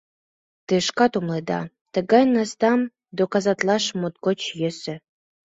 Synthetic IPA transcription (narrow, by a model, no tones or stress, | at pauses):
t̪ɨʃkɑt̪umlˠed̪ɑ̰ | t̪ə̆ɡɑjnɑst̪ɑm | d̪okɑzɑt̪lˠɑʃmot̪̚kot͡ɕjɘ̆sɘ̆